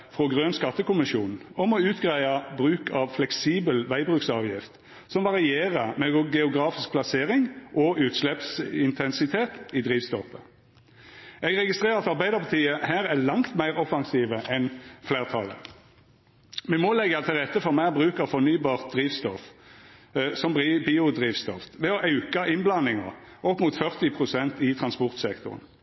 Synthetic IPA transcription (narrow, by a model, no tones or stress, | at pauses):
fʁɔɡʁøːnskɑt̪ːəkʊmɪʃuːnɔmɔʉːt̪ɡʁæɪɑbʁʉːkʰɑʋflɛksiːbəlʋæɪbʁʉːksɑːʋjɪft̪ | sɔmʋɑʁɪeːʁəmɛɡɛʊɡʁɑːfɪsk̚pʰlɑseːʁɪŋʔɔʉːt̪ʃlɛpsɪnt̪ʰɛnsɪt̪ʰeːt̪ɪd̪ʁiːʋst̪ɔfə | ɛɡʁɛɡɪst̪ʁeːʁɑt̪ɑʁbæɪd̪əʁpʰɑt̪ʰiːəhæːʁælɑŋt̪mæɪʁɔfɑŋsiːʋəʔɛnfleːʁt̪ʰɑlə̰ | mɛmɔlɛɡːɑt̪ʰɪlʁɛt̪ːəfɔʁmæːʁbʁʉːkəʁfɔʁnyːbɑːʁt̪̚d̪ʁiːʋst̪ɔf | sɔmbʁiːbiːʊd̪ʁiːʋst̪ɔft̪ʋɛɔʔɑʉkɑʔɪnblɑnɪŋɑ̰ʁ | ʔɔpːmuːt̪fœʁt̪ɪpʰʁʊsɛnt̪ɪt̪ʰʁɑnspɔʁt̪sɛkt̪ʊ̰ʁə̰n